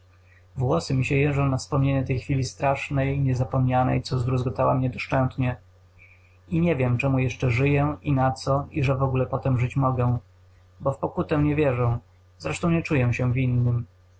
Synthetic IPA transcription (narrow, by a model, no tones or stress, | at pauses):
vwɔsɘmʲiɕɛjɛʐɔ̃w̃nafspɔmɲeɲɛt̪ɛjxfʲilʲist̪ɾaʂnɛjɲɛzapɔmɲanɛ̰jt̪sɔzd̪ɾuzɡɔt̪awamɲɛd̪ɔʂt͡ʂɛnt̪ɲɛ | iɲɛvʲjɛmt͡ʂɛmujɛʂt͡ʂɛʐɘjɛinat̪sɔiʐɛvɔɡulɛpɔt̪ɛmʐɘt͡ɕmɔɡɛ̃ | bɔfpɔkut̪ɛɲɛvʲjɛʐɔ̃w̃ | z̥ɾɛʂt̪ɔ̃w̃ɲɛt͡ʂujɛɕɛvʲinːɘm